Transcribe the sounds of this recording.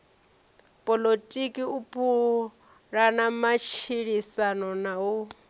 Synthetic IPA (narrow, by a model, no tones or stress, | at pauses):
pʼɔlotʼikʼiupʰʼu | ɺanamat͡ʃʰiɺisanɔnau